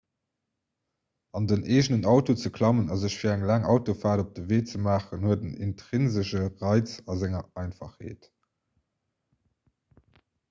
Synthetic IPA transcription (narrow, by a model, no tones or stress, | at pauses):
ɑndənʔeːʒnənɑʊtot͡səkʰlɑmənɑzəɕfiːɐæŋlæːŋʔɑʊtofaːdop̚d̥əveːt͡səmaːχənhuədənḭntʁinzəʃəʁɑɪt͡sɑzæŋɐɑɪnfɑ̰χhḛːt